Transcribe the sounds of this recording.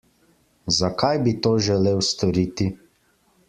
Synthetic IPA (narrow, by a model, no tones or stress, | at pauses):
zakajbit̪oːʒɛleːwst̪ɔɾiːt̪i